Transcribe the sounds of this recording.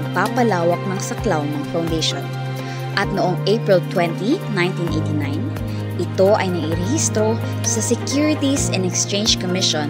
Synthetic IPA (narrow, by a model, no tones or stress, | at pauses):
ɡ̚papɐlaːwɐk̚nɐŋsɐklawnɐŋfawnd̪ejʃo̰n | ʔɐt̪̚noʔoŋʔejpɹɪlt̪wɛnt̪inãj̃nt̪inʔejt̪inajn | ʔɪt̪o̞ʔɐjnɐɡiɾɛhist̪ɾo̞ | sɐsɛkjuɹɪt̪isɛ̃nɛkst͡ʃẽjnd͡ʒkomɪʃõn